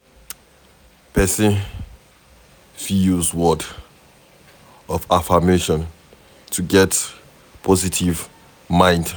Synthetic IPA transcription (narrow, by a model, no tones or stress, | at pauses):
pʰɛsĩn | fiuzwɔd | ɔfafameʃɔ̃n | tʰuɡɛt | pʰɔzitʰiv | mãɪ̃nd